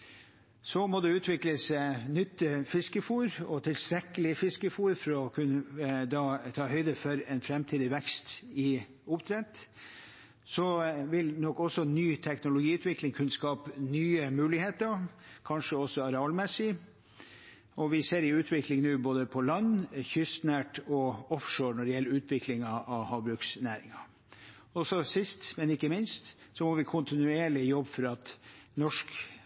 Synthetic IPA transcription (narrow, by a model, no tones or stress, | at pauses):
sɔmɔd̪ɛʉːt̪ʰʋɪkləsnʏt̪ːəfɪskəfuːɾɔt̪ʰɪlst̪ɾɛkːəlɪfɪskəfuːɾfɔɾɔkʰʉnːəd̪ɑt̪ʰɑːhœʏd̪əfɔɾɛːnfɾɛmt̪ʰiːd̪ɪʋɛkst̪ɪ | ʊpt̪ʰɾɛt̪ | sɔʋɪlnɔkːɔsɔnyːt̪ʰɛknʊlʊɡiːʉːt̪ʋɪklɪŋkʰʉnːəskɑːpnyːəmʉːlɪheːt̪əkʰɑnʂəɔsːɔɑɾɛɑlmɛsːɪ | ɔʋɪseːɾɪʉːt̪ʰʋɪklɪŋnʉːboːd̪əpʰɔlɑnːçʏst̪næːʈɔɔfʂoːɾɳɔɖ̪əjɛlːəɾʉːt̪ʰʋɪklɪŋɑɑʋhɑːʋbɾʉːksnæːɾɪŋɑ | ɔsɔsɪst̪mɛnɪkːəmɪnst̪sɔmɔʋɪkʰʊnt̪ɪnʉeːɭɪjɔbːfɔɾɑt̪nɔʂk